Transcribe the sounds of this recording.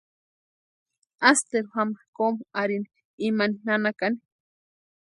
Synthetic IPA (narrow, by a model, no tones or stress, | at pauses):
ast̪eɾuhamakomaɾini | imaninanakani̥